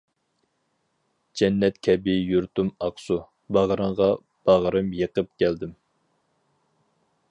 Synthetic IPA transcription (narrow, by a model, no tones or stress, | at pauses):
d͡ʒɛnːɛt̪kʲʰɛbɪjuɾt̪umɑqsu | bɑʁɾɨɴʁɑ | b̥ɑʁɾɨmjəqəp̚kʲʰæld̪ɪm